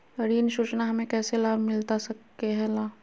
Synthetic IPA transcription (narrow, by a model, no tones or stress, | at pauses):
əɾiːnʃʊt͡ʃnaɦɐmẽkɛːselaːbʱmɪlt̪asɐkː | eɦɛ̃laː